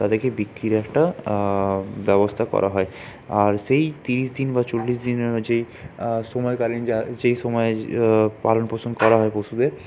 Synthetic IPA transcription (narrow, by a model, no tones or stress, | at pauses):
t̪ad̪eɾkebikːɾiɾeɛk̚ʈa | bɛbost̪ʰakɔ̰ɾʔa̰ɦɔe | aɾʃejt̪iɾiʃd̪inbat͡ɕolːiʃd̪ined͡ʑej | ʃomɔekalind͡ʑad͡ʑejʃomɔepa̰lonpot͡ɕʰond̪kɔɾaɦɔepoʃud̪eɾ